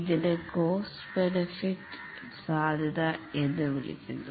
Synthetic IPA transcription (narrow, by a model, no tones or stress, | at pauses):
iðindekoːs | benifiʈː | saːd̪ʱjɐðɐe̞nːɨʋilḭt͡ɕːunɖu